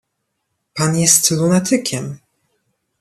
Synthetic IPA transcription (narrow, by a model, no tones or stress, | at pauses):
panjɛst̪lunat̪ʰɘkʲʰɛm